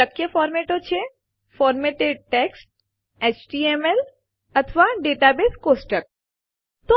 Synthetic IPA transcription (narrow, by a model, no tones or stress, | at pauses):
ɐkːjəfɔːɾmeːʈot͡ʃʰe | fɔːɾmeːʈeɖ̚ʈeːksʈ̚ | eːt͡ʃʈiːemel | ɐt̪ʰʋaɖeːʈaːbeːskoːsʈək̚ | t̪o